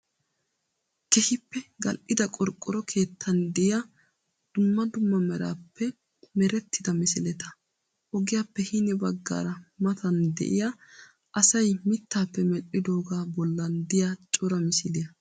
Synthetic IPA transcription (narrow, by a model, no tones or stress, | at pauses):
kɛhɪpːɛɡɐlʔɪd̪ɐkʼɔɾkʼːɔɾɔkʰe̞ːt̪ʰːɐnd̪ɛja | d̪̥ʊmːɐd̪ʊmːɐmɛɾa̰ːpʰːɛ | mɛɾɛt̪ʰːɪd̪ɐmɪsɪlɛt̪ɐ̥ | ʔɔɡɪjaːpːɛhɪnɛbɐɡːa̰ːɾɐmɐt̪ʰɐnd̪ɛ̰ʔɪja | ʔɐsɐjmɪt̪ːaːpːɛmɛʔʼɪd̪oːɡaːbɔlːɐnd̪ɪjat͡ʃʼɔɾɐmɪsɪlɪjɐ